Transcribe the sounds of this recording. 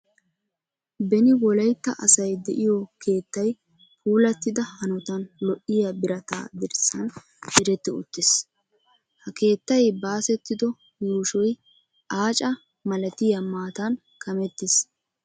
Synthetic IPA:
bɛnɪwɔlɐjt̪ːɐ̰ʔɐsɐjd̪ɛʔɪjɔkʰe̞ːt̪ːɐj | pʰuːlɐt̪ːɪd̪ɐhɐnɔt̪ɐnlɔʔːɪjabɪɾɐt̪a̰ːd̪ɪɾsːɐn | ʔɪɾɛt̪ːɪʊ̰t̪ːɪs | hɐke̞ːt̪ːɐjbaːsɛt̪ːɪd̪ɔ | juːʃɔj | ʔaːt͡ʃʼɐ | mɐlɐt̪ɪjɐmaːt̪ɐn | kɐmɛt̪ːɪs

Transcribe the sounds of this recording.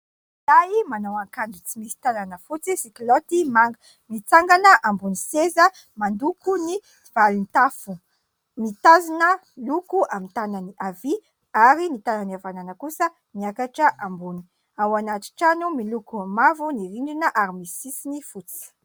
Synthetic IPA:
laimanawaŋkanɖ͡ʐut͡simisi̥t̪ananəfut͡sisiklot̪imaŋɡ | mit͡saŋɡanəʔambunisezə | mand̪ukuni | v̥alint̪afu | mit̪azinə | lukuamint̪ananiʔavi | aɾinit̪ananiavananəkusə | niakaʈ͡ʂəʔambuni | awanaʈ͡ʂi̥ʈ͡ʂanumilukuamavuniɾiɳɖ͡ʐinəʔaɾimisisinifut͡si̥

